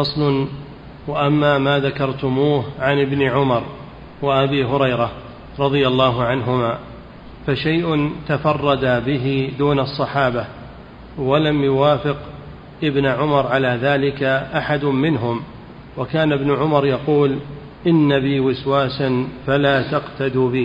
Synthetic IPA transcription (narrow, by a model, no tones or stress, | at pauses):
fɑsˤlʊn | waʔamːaːmaːðakɑɾˤt̪ʊmuːhʕanɪbnɪʕʊmɑɾˤ | waʔabiːɦʊɾɑjɾah | ɾˤɑðˤɨjalːɑːɦʊʕanɦʊmaː | faʃajʔʊnt̪afɑrˤːɑd̪abɪɦɪd̪uːnɑsˤːɑħaːba | walamjʊwaːfɪq | ʔɪbnʕʊmɑɾˤʕalaːðaːlɪkaʔaħad̪ʊmmɪnɦʊm | wakaːnɪbnʊʕʊmɑɾˤjɑquːl | ʔɪnːabiːwɪswaːsanfalaːt̪ɑqt̪ad̪uːbɪː